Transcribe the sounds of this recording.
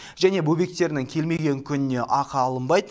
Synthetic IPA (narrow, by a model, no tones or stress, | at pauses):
ʒæne̞bɵbe̞k̚t̪e̞ɾɪnɪŋkʲʰe̞lme̞ɡʲe̞ŋkʲʰʏnɪne̞ʔɑqɑːlˠəmbɑjd̪ə